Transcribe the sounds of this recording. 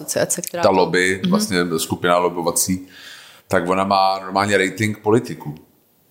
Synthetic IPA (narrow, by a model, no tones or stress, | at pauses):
ot͡sɪa̰t͡sɛt̪alobɪvlast̪ɲɛskupɪnalobovat͡siːt̪aɡvo̞namaːnoɾmaːlɲɛɾɛjt̪ɪŋk̚polɪt̪ɪku